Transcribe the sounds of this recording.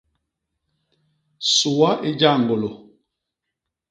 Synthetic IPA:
su˨wa˦ʔe˦d͡ʒa˦˨ŋ˨ɡo˨lo˨

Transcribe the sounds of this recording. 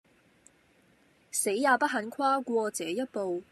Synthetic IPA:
se˨˥jːaː˨˧pɐ˥t̚ɦɐ˨˧˥nkʰaː˥kʷɔː˧t͡sɛː˨˥jɐ˥t̚po˨w

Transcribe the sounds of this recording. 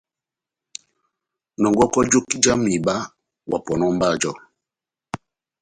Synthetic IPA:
nɔ˨ŋɡɔ˦kɔ˦d͡ʒo˦ki˦d͡ʒa˦mi˨ɓa˦ | wa˨pɔ˨nɔ˦m˦ba˦˨d͡ʒɔ˦˨

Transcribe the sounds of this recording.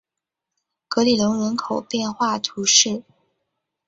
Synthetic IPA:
kɤ˧˥li˨˩lə˧˥ŋɻə˧˥nkʰo˨˩ʊpjɛ˥˧nxwa˥˩t̪ʰu˧˥ʂɻ̩˥˩

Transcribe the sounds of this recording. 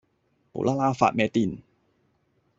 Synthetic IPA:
pṵ˨˦lʔaː˧laː˧fa̰˨˩meː˧t̪i˨˩n

